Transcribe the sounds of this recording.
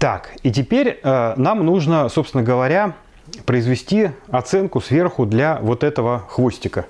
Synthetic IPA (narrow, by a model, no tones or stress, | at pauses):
t̪a̰kit̬ʲɪpʲeɾʲənamnuʐnəso̞pst̪vɪnəɡəvɐɾʲa | pɾəɪzvʲɪsʲtʲiɐt̪sɛnkʊsvʲe̞rxʊd̪lʲavo̞t̪ɛt̪əvəxvo̞sʲtʲɪkə